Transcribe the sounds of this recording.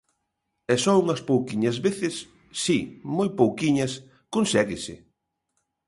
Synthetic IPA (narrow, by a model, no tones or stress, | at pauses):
ɛsɔuŋɐspowkiɲɐzβeθɪsː | imojpowkiɲɐs | konsɛɣɪsɪ̰